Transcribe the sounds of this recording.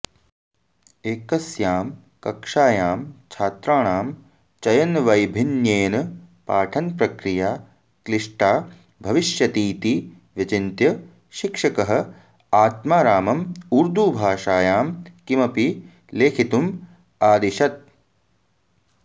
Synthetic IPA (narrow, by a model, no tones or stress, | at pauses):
eːkɐsjaːm | kɐkʂaːjaːmt͡ʃʰaːt̪ɾaːɳaːm | t͡ʃɐjɐnʋɐjbʱinjeːnɐpaːʈʰɐnpɾɐkɾijaː | kliʂʈaː | bʱɐʋiʃjɐt̪iːt̪i | ʋjɐt͡ʃint̪jɐ | ʃikʂɐkɐɦɐ̆ | aːt̪maːɾaːmɐmuɾd̪uːbʱaːʂaːjaːmkimɐpi | leːkʰit̪um | aːd̪iʃɐt̪̚